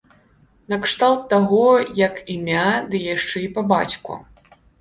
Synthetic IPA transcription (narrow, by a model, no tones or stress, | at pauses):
nɐkʂt̪alˠt̪ːaɣɔjɐkimʲad̪ɨjaʂt͡ʂɛipɐba̰t͡sʲkṵ